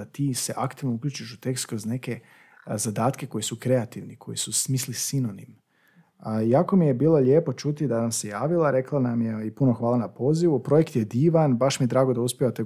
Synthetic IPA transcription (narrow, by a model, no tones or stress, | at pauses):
at̪iːseʔakt̪iʋnoukʎʲuːt͡ʃiʃut̪e̞kst̪kɾo̞zne̞ke̞ | zad̪aːt̪ke̞ko̞jisukɾe̞at̪iʋnikʰo̞̰jisusmislisinonim | jaːko̞mije̞biːlˠo̞ʎʲe̞ːpo̞t͡ʃut̪id̪anamse̞jaːʋilˠaɾe̞klˠanamjeipuno̞xʋaːlˠanapo̞ːziʋupɾo̞je̞kt̪jed̪iːʋanbaʃmije̞d̪ɾaːɡod̪auspʲjeat̪e̞